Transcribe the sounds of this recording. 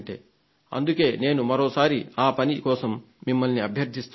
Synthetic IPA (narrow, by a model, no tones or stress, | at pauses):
ɳʈḛː | ɐ̰nd̪uke̞ːne̞ːnumɐɾoːsaːɾiaːpɐnikɔːsɐmː | imːɐlniɐbʱjɐɾd̪ʱist̪